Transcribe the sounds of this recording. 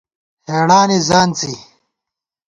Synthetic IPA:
heːɽaːnizaːnt͡si

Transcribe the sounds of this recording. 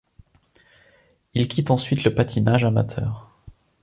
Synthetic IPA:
ilkʲit̪ɑ̃sɥit̪ləpat̪ʰinaʒama̰t̪ʰœ̰ːʁ

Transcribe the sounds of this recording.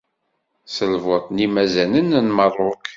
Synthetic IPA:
səlvʊt̪ˤnimæzænənnmərˤːʊk

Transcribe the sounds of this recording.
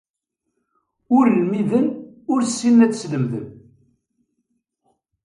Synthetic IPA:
ʊɾlmiðənʊɾsːinːæt͡sːsləmðə̰n

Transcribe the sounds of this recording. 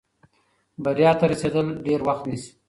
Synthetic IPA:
baɾjɑt̪aɾased̪əlɖeɾwaxt̪nisi̥

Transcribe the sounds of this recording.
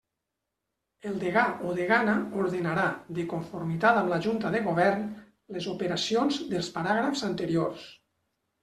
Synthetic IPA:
elˠd̪eɣaʔoðeɣanaoɾðenaɾaðekuɱfuɾmit̪at̪amlaʒunt̪əðeɣoβ̞ɛɾn | lezupeɾasionzd̪elˠspaɾaɣɾafz̥ant̪əɾiors

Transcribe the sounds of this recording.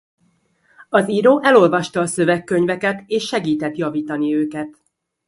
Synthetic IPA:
ɒziɾoːʔɛlo̞lvɒʃt̪ɒːsø̞vɛkːø̞ɲvɛkɛt̪eːʃːɛɡiːt̪ɛt̪jɒviːt̪ɒniøːkɛt̪

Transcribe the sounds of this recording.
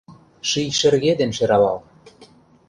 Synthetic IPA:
ʃijʃĕrɣed̪enʃeɾɑlɑ̰l

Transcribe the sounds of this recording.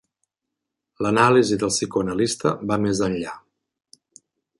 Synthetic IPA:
lənaliziðəlˠsikuənəlist̪ə̰bamezənʎa

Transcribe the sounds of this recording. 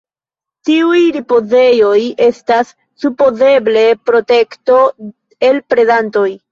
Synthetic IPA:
tiujɾipo̞ze̞jo̞je̞stasː | upo̞ze̞ble̞pɾo̞te̞kto̞ | e̞lpɾe̞danto̞j

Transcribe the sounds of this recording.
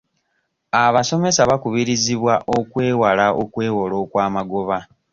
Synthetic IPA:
aβaso̞me̞saβakuβiɾiziβwaʔokwe̞ːwalaʔo̰kwe̞ːwolo̞ːkwaːmaɡo̞βa

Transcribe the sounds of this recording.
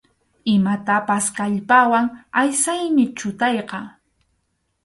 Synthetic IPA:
ɪmat̪apaskaʎpawaŋajsajmɪt͡ʃʊt̪ɑjqɑ

